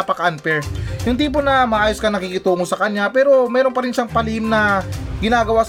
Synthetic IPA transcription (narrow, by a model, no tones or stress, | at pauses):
ɐpɐkanpɛɹjʊŋt̪iːp̬o̞nɐmɐʔaːjo̞skɐŋnɐkiːkɪt̪uːŋosɐkɐɲːapɛːɾo̞mɛːɾo̞npɐɾɪnʃaŋpɐlimnɐɡɪnaːɡɐwas